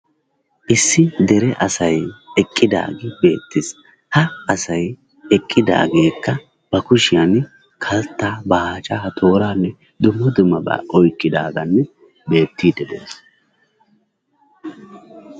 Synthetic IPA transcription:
ʔɪsːɪd̪ɛɾɛʔɐsɐjɛkʼːɪd̪a̰ːɡɪbe̞̰ːt̪ːɪs | hɐɐsɐj | ɛkʼːɪd̪a̰ːɡe̞ːkːɐ | b̥ɐkʊʃɪjan | kʰɐlt̪ːaːbɐhaːt͡ʃʼaːhɐt̪ʰo̞ːɾaːnːɛ | d̪ʊmːɔd̪ʊmːɐbɐ̰ːʔɔjkʼːɪd̪aːɡɐnːɛ | be̞ːt̪ːiːd̪ɛd̪ḛːs

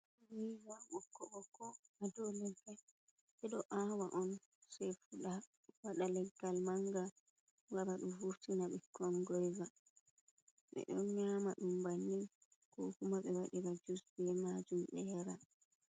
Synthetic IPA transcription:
wijɡaɓɔkɔɓɔkɔadɔlɛɡːal | ɓɛɗɔʔawaʔɔn | sɛjfuɗa | waɗalɛɡːalmaŋɡa | waɾaɗumvuftinaɓɛkʰɔnɡɔjɡa | ɓɛ̰ɗɔnɲamaɗumbanːi | kɔhumaɓɛwaɗiɾad͡ʒusbɛmad͡ʒumɗɛjaɾa

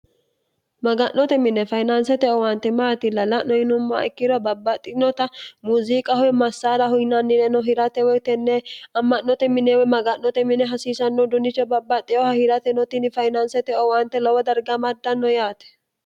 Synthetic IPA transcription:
mɐɡɐnːɔt̪ɛmɪnɛfɐjnɐnsɛt̪ɛʔɔwɐnt̪ːɛmaːt̪ɪlɐlɐʔnɔjɪnʊmːa̰ɪkːɪd̪ɔbɐbːɐt̪ʼːɪnɔt̪ɐmuːzikʼɐhɔjmɐsːaːɾɐhʊjnɐnːɪnɛnɔɦɪɾɐt̪ɛwɔt̪ɛnːɛɐmːɐnːɔt̪ɛmɪneːwɔmɐɡɐnːɔt̪ɛmɪnɛɦɐsiːsɐnːɔd̪ʊnːɪt͡ʃːɔbɐbːɐt̪ʼːɪɔhɐhɪɾɐt̪ɛnɔt̪ɪnɪfɐjnɐnsɛt̪ɛʔɔwɐnt̪ːɛlɔwɐd̪ɐɾɡɐmɐd̪ːɐnːɔjaːt̪ɛ̥

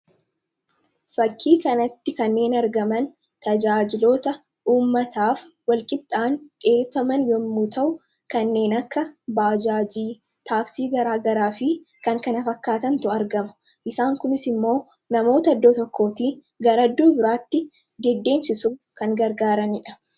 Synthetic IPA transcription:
fɐkʰːiːkɐnɐt̪ːɪkɐnːe̞ːnɐɾɡɐmɐn | t̪ɐd͡ʒaːd͡ʒɪlo̞ːt̪ɐ | ʔuːmːɐt̪aːf | wɐlkʼɪb̚t̪ʼaːnᶑe̞ːfɐmɐnjɔmːuːt̪ɐʔʊ | kɐnːe̞ːnɐkːɐbaːd͡ʒaːd͡ʒiː | t̪aːfsiːɡɐɾaːɡɐɾaːfɪ | kɐŋkɐnɐfɐkːaːt̪ɐnt̪ʊɐɾɡɐmɐ̥ | ʔɪsaːŋkʊmɪsɪmːo̞ː | nɐmo̞ːt̪ɐːd̪ːoːt̪ɔkʰːo̞ːt̪iː | ɡɐɾɐd̪ːoːbɪɾaːt̪ːɪ | d̪ɛd̪ːe̞ːmsɪsuːkɐŋɡɐɾɡaːɾɐnɪᶑɐ̥

